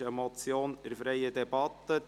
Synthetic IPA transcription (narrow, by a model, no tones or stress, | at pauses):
əmɔt͡sjoːnɪɾfɾɛɪəd̪ɛb̥ɑt̪ːə